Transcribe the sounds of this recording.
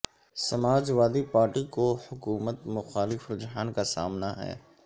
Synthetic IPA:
sɐmaːd͡ʒʋaːd̪ipaːɾʈikohʊkuːmət̪mʊxaːlɪfɾʊd͡ʒɦaːnkasa̰ːmnaɦɛ̰ː

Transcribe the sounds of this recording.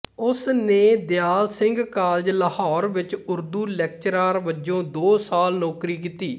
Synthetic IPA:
ʊsneːd̪ɪjaːlsɪŋɡkaːld͡ʒləhɔːɾʋɪt͡ʃʊɾd̪uːlɛːkt͡ʃɾaːɾʋəd͡ʒõːd̪oːsaːlnɔːkɾiːk̬iːt̪iː

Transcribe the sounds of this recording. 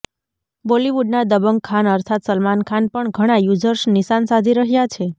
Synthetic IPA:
boliʋuɖ̚nad̪əbəŋɡkʰːanəɾt̪ʰat̪səlmankʰanpəɳɡʱəɽ̃ajud͡ʒəɾʃniʃansad̪ʱiɾəɦjat͡ʃʰe

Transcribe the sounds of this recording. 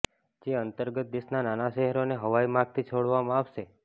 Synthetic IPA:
d͡ʒeənt̪əɾɡət̪̚d̪eʃnananaʃeɦəɾoneɦəʋajmaɡ̚t̪ʰit͡ʃʰoɽʋamãaʋʃe

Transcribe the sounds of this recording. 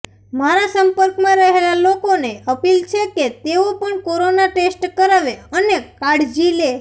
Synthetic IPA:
maɾasəmpəɾkmãɾəɦelalokoneəpilt͡ʃʰeket̪eopəɳkoɾonaʈesʈkəɾaʋeənekaɽd͡ʒile

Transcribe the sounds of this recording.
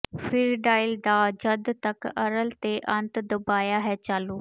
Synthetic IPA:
fʰɪɾɖaːɪld̪aːd͡ʒəd̪t̪əkəɾəlt̪eːʔə̃nt̪d̪əbaːjaːɦɛːt͡ʃaːluː

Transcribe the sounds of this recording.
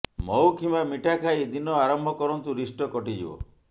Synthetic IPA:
mɔwkʰimamiʈʰakʰajd̪inɔaɾɔmbʱɔkɔɾɔnt̪uɾisʈɔkɔʈid͡ʒḭbɔ̰

